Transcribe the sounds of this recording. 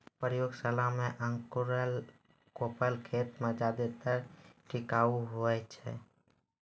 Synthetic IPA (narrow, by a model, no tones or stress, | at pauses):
pɾjoɡsəlameʔəŋkuɾəl | kopəlkʰet̪med͡ʒad̪et̪əɾʈikauɦoɛt͡ʃʰɛ̰